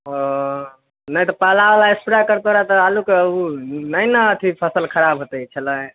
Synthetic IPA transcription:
o | nəjt̪ɔpalaʋəlaespiɽakəɾt̪oɾat̪ɔalukeəunəjnəːt̪ʰipʰəsəlkʰəɾabʱɦot̪ət͡ʃʰələ̃

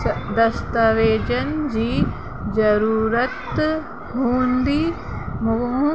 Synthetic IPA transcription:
d̪ɐst̪aʋeːd͡ʒɐnd͡ʒi | d͡ʒɐɾuːɾɐt̪ | ɦuːnd̪i | mũ

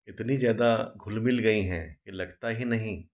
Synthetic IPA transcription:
ɪt̪nizjaːd̪aɡʱʊlmɪlɡɐiɦɛ̰̃kelɐɡt̪aɦinɐɦĩ

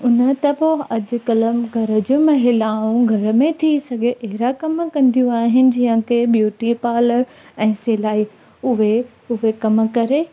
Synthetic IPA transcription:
ʊnə̆t̪ɐpoɐd͡ʑʊ̆kɐləmɡʱɐɾəd͡ʑʊmɐɦɪlaːũɡʱɐɾə̆mẽt̪ʰisɐɡʱeʔeɦɪɾakɐmkɐ̃nd̪ʱijũaːɦɪnɪ̆d͡ʑiɦə̃kʰebjuːʈipaːləɾ | ɛ̃ːselaːi | ʊɦe | ʊɦekɐmkɐɾe

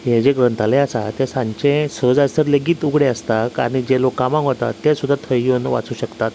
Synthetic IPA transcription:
ɦed͡ʑeɡɾənt̪alẽasat̪esãɲt͡ɕẽsəd͡zajsəɾləɡiːt̪uɡɽẽəst̪aka̰ɽ̃id͡ʑelokãmãŋɦot̪a̰t̪ːesud̪ʱːat̪ʰəjjonʋa̰t͡suːɕəkt̪at̪

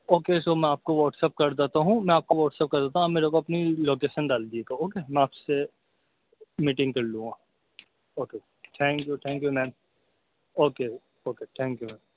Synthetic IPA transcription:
oːkeːsoːmɛ̃aːp̚koʋɔːʈsep̚kɐɾd̪et̪aɦũmɛ̃aːp̚koʋɔːʈseːp̚kɐɾd̪eːt̪aɦɐmeːɾek̬oɐpniloːkeːʃənɖaːld̪ieɡaoːkeːmɛ̃aːpse | miːʈɪ̃ŋɡ̚kɐɾlũɡaː | oːkeː | ʈ̪ʰɛ̃ːŋkjut̪ʰɛ̃ːŋkjumɛ̃ːm | oːke | oːket̪ʰɛ̃ːŋkjumɛ̃ːm

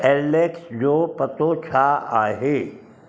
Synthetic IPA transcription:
ɛːɾleːksd͡ʒoːpət̪oːt͡ʃʰaːaːɦe

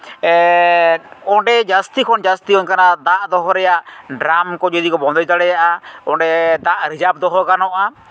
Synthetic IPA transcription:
ɔɖɛd͡ʒast̪ikʰɔnd͡ʒast̪ikʰɔɲkanad̪aʔd̪ɔɦɔɾɛjaʔɖɾamkɔd͡ʒɔd̪ikɔbɔnd̪ɔjt̪aɽɛjaʔaɔɖɛd̪aʔɾid͡ʒab̚d̪ɔɦɔkanɔʔa

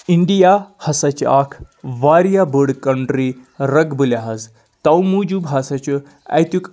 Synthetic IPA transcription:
iɳɖijahɐsat͡ɕḭʔakʰ | ʋaɾijabəɽkəɳʈɾiɾəɡbəljaɦɐz | t̪awmud͡ʒubʱɦasat͡ɕu | a̰jt̪uk

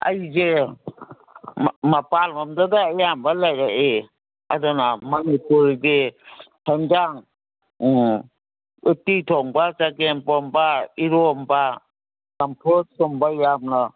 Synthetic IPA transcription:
a̰jze | mapalmɔmdadaːjambalajɾaʔe | adɔnamanipuɾɡehendaŋ | utitʰɔŋbasakenpɔmbaiɾɔmba | sampʰɔt̚sɔmbajamna

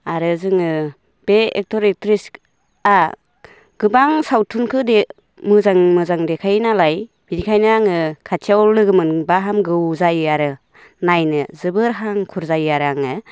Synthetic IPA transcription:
aɾɯzɯŋɯ | b̥eek̚tɔɾek̚tɾisk | a | ɡ̥ɯbaŋsawtʰunkʰɯde | mɯzaŋmɯzaŋdekʰajnalaj | b̥idikʰajnɯaŋɯkʰatʰiawlɯɡɯmɯnbaɦamɡɯwzajaɾɯ | najnɯzɯbɯɾɦaŋkʰuɾzajaɾaŋɯ

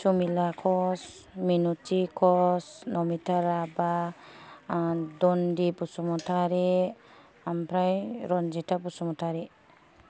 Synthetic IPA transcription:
sumilakʰɔsminutikʰɔsnɔmitʰaɾaba | dɔndipusɔmɔtʰaɾi | ampʰɾajɾɔnd͡ʒitʰabusɔmɔtʰaɾi

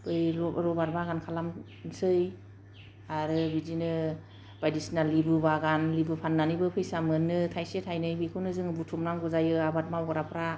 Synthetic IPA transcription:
b̥ɯjɾɾɔbaɾbaɡankʰalam | sɯj | aɾɯbizinɯ | bajdisnalːibɯbaɡanlibɯpʰanːanibɯpʰɯjsamɯnːɯtʰajsetʰajnɯbikʰɯwnɯzɯŋɯbutʰumɾaŋɡɔzajɯabat̚mawɡɔɾapʰɾa

